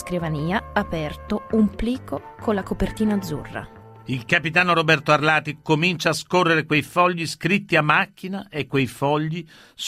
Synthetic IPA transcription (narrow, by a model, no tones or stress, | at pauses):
skɾivaniːaapɛrt̪oumpliːkokʰonlːakopert̪iːnaːd̪zːṵrːa̰ | ilkapit̪aːnoɾobɛrt̪oarlaːt̪ikomint͡ʃaːskorːeɾekwejfɔʎːiskɾit̪ːiamːakːinaʔekːwejfɔʎːi | s